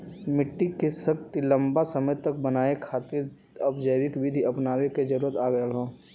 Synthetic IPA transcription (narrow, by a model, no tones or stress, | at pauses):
mɪʈːikesəkt̪ilə̃mbasəməjt̪ɐk̚bənaːekʰaːt̪ɪɾ | ɐbd͡ʒəjwɪkʋid̪ʱiʔɐpnaːweked͡ʒɐɾuːɾət̪aːɡəjalɦõː